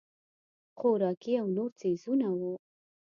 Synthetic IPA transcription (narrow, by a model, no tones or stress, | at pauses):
χoɾɑkiawnoɾt͡sezunawu